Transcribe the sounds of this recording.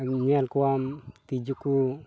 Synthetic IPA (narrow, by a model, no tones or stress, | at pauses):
ɲɛlkuamt̪id͡ʒuku